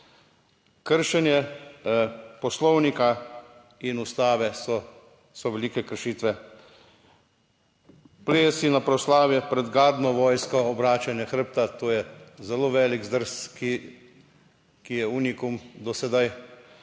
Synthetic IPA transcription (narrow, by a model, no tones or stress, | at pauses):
kəɾʃɛnjɛ | pɔslɔwnika | inust̪aːʋɛ | sɔʋɛliːkɛkəɾʃiːt̪ʋɛ | pleːsinapɾɔslaːʋjɛpɾɛd̪ɡaːd̪nɔʋɔːjskɔɔbɾaːt͡ʃanjɛxəɾ̩p̚t̪at̪oːjɛzɛloːʋɛːliɡzd̪əɾski | kijɛuːnikumd̪ɔsɛd̪aj